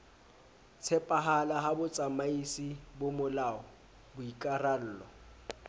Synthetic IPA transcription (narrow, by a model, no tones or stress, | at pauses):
t͡sʰɛpʼaɦalaɦabʊt͡sʼamaisibʊmʊlaːɔ | bʊikʼaral̩ːlɔ